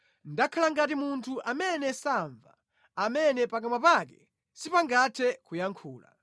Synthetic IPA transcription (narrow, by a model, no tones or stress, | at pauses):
ndakʰalaŋɡat̬imuntʰuʔamɛnɛsaɱva̰ː | mɛnɛpak̬amwapak̬ɛ | sipaŋɡatʰɛkujaŋkʰuːla̰